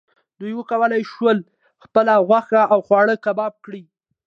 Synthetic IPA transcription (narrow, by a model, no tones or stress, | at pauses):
d̪̥ujwəkawəlajʃwəl | xpəlaɣwaxaʔawxwɑɽəkabɑb̚kɽi